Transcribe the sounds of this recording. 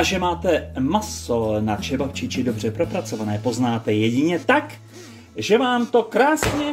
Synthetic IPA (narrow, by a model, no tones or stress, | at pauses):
aʒɛmaːt̪ɛmasonat͡ʃɛbaft͡ʃɪt͡ʃɪdo̞br̝ɛpɾo̞pɾat͡so̞vanɛːpo̞znaːt̪ɛjɛɟɪɲɛt̪ak | ʒɛvaːmt̪o̞kɾaːsɲɛ